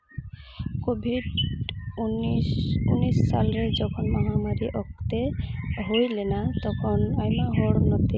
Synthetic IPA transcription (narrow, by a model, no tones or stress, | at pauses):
kobʱiɖ | unisːa̰lɾed͡ʒɔkʰɔnmɔɦamaɾiʔɔk̚t̪eɦojlenat̪ɔkʰɔnajmaɦɔɽnɔt̪e